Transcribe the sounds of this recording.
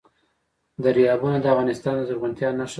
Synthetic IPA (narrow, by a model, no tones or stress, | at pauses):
d̪əɾijɑbunad̪əavɣɑnɪst̪ɑnd̪əzaɾɣant̪jɑnːaʃ